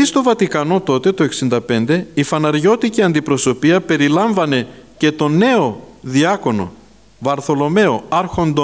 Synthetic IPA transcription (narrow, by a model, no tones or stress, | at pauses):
ist̪o̞vɐt̪ikɐno̞t̪o̞t̪e̞t̪o̞e̞ksind̪ɐpe̞nd̪e̞ifɐnɐɾʝo̞t̪iciɐnd̪ipɾo̞so̞piɐpe̞ɾilɐɱvɐne̞ce̞t̪o̞ne̞o̞ðiɐko̞no̞̰ | vɐɾθo̞lo̞me̞o̞ɐɾxo̞nd̪o